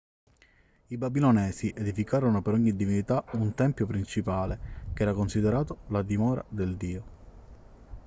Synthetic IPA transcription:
ibabilonɛːsiʔed̪ifikaːɾonopeɾɔɲːid̪ivinit̪aunt̪ɛmpjopɾint͡ʃipaːlekɛːɾakonsid̪eɾaːt̪olad̪imɔːɾa̰d̪eld̪iːo

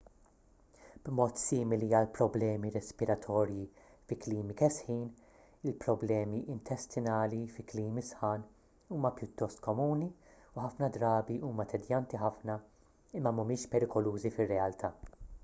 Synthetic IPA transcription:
b̥mɔːt̪siːmɪliɐlpɾɔblɛːmiɾɛspɪɾɐt̪ʰɔːɾji | fɪkliːmikɛsħiːn | ɪlpɾɔblɛːmiʔɪnt̪ʰɛst̪ɪnɐːlifɪkliːmisħɐːn | uːmɐpjʊt̪ːɔst̪kɔmuːniuħɐfnɐd̪ɾɐːbiʔuːmɐt̪ʰɛd̪jɐnt̪iħɐfnɐ | ɪmːɐmʊmɪːʃpɛɾɪkɔluːzifɪrːɛɐlt̪ʰɐː

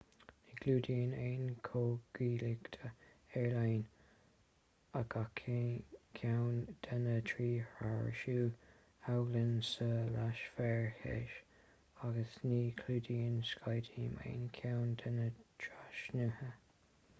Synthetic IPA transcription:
nikʰluːdiːənejnkʰoːɡ̥iːlɪɡt̪ʰəɛɹlajn | aɡakʰkʰawnd̪̥anətʰɹiːhaɹə̰ʃuː | awɡlənsəlaʃfɛɹhɛ̰ʃ | aɡəsniːkʰluːdiːənskʰajdiːmḛːnkʰjawnd̪ʰənətʰɹaʃnuhə

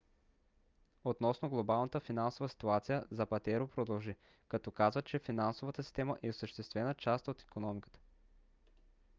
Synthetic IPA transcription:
ot̪nɔsnoɡlˠobalˠnət̪əfinansovɐsi̥t̪uat̪sijəzɐpɐt̪ɛɾopɾod̪ɐlˠʒi | kɐt̪ɔkazvət͡ʃɛfinansovət̪əsi̥st̪ɛməʔɛosəʃt̪ɛst̪vɛnət͡ʃast̪ot̪i̥konɔmikə̥t̪ə̥

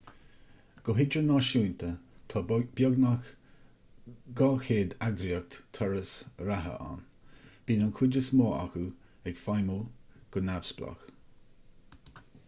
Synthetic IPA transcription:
ɡ̥ɔɦɪd͡ʒɾənɔʃuːnt̪ʰət̪ʰɑb̥jɔɡnax | ɡɔːxeːd̪aɡɾiək̚t̪t̪ʰɔɹəsɾaɦə̰ʔa̰n | b̥iːnankʰwɪd͡ʒəsmoːa̰xu | ɛɡfajməɡ̥ənavsbla̰x

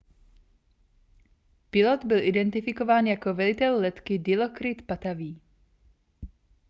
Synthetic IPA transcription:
pɪlot̪bɪlʔɪdɛnt̪ɪfɪko̞vaːnjako̞vɛlɪt̪ɛlːɛt̪kɪdɪlokɾɪt̪pat̪aviː

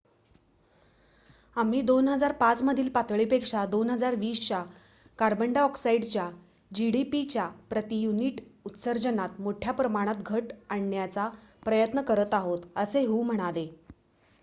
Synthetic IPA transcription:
am̤iːd̪onɦəd͡zaɾpat͡sməd̪ʱiːlpat̪ʋɭipekʂad̪onɦəd͡zaɾʋiːst͡ɕa | kaɾbəɳɖaɔksaiɽt͡ɕja | d͡ʑiɽipit͡ɕjapɾət̪ijuniːʈut̪səɾd͡ʑənat̪moʈʰjapɾəmaɽ̃at̪ɡʱəʈaɳːjat͡sapɾəjət̪nəkəɾət̪aɦot̪əseɦuːm̤əɽ̃ale

